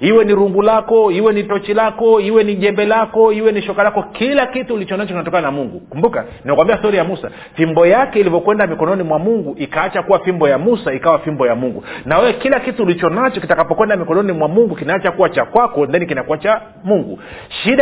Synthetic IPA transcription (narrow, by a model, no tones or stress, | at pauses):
hiwɛniɾuŋɡulakɔiwɛnitɔt͡ʃilakɔiwɛniʄɛmbɛlakɔiwɛniʃɔkalakɔkilakituːlit͡ʃɔnat͡ʃɔkinatɔkananamuŋɡukumbuka̰ | niɛkwambiastɔɾijamusa̰ | fimbɔjakɛilivɔkwɛndamikɔnɔnimwamuŋɡuʔikaat͡ʃakuwafimbɔjamusaikawafimbɔjamuŋɡunawɛwɛkilakituːlit͡ʃɔnat͡ʃɔkitakapɔkwɛndamikɔnɔnimwamuŋɡukinaat͡ʃakuwat͡ʃakwakɔndanikinakuat͡ʃa | muŋɡṵ | ʃiɗa